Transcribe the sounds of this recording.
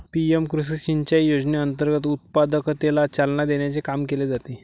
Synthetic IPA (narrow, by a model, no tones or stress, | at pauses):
piemkɾusiɕiɲt͡ɕajjod͡zneənt̪əɾɡət̪ut̪̚pad̪əkt̪elat͡salnad̪eɳjat͡sekamkeled͡zat̪e